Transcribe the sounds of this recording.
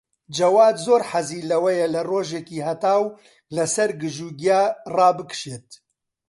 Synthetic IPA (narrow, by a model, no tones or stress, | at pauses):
d͡ʒɐwaːd̪zoːɾħaziːlɐwɐjɛlɐroːʒeːkiːhɐt̪aːw | lɐsɐɾɡɨʒuːɡiaːrɑːbɨkʃeːt̪̚